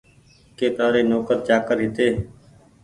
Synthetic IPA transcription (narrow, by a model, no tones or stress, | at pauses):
keːt̪aːɾeːnoːkəɾt͡ʃaːkəɾɦɪt̪eː